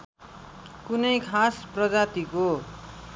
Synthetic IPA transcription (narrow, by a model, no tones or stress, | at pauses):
kunʌjkʰasprʌd͡zat̪iko